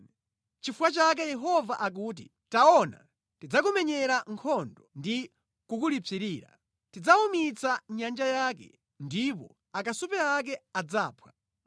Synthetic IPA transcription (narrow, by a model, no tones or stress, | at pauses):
t͡ʃifuwat͡ʃak̬ɛjɛɦɔvaʔak̬uːt̬ḭ | taɔna̰ | tid͡zak̬umɛɲɛɾaŋkʰɔndɔndi | kukulit͡siɾiːɾa̰ | tid͡zaumit͡saɲand͡ʒajaːkɛ̰ | ndip̬ɔ̰ | akasupɛak̬ɛad͡zaːpʰwa